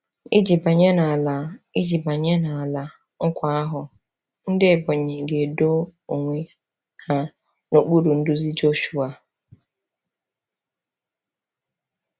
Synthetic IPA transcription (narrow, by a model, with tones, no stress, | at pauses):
i˦d͡ʒi˨ba˨ɲe˦na˨a˨la˨i˦d͡ʒi˨ba˨ɲe˦na˨a˨la˨ | ŋ̩˦kʷa˦a˦ɦʊ˨ | n̩˦dɪ˦˨bɔ˨ɲe˨ɡe˨do˦o˨ŋʷe˦ | ha˦ | no˨k͡pu˦ɾu˨n̩˦dʊ˦zi˦d͡ʒo˦ʃu˨a˨